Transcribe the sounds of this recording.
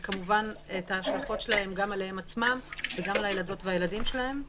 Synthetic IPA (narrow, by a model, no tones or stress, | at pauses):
kamuvanetaːʃlaχo̞tʃelahe̞mɡamalee̞mat͡smamveɡamalajelado̞tveajeladimʃelahe̞m